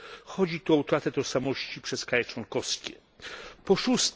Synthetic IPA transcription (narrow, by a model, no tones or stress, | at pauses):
xɔd͡ʑit̪uɔut̪ɾat̪ɛt̪ɔʂsamɔɕt͡ɕipʂɛskɾajɛt͡ʂwɔŋkɔfskʲɛ̰ | pɔʂust̪